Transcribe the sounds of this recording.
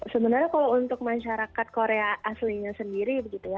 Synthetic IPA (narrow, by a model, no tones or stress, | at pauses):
səbənarɲakalawunt̪ʊk̚maʃaɾakat̪̚koɾeaʔːsliɲasəndiɾibəɡit̪uja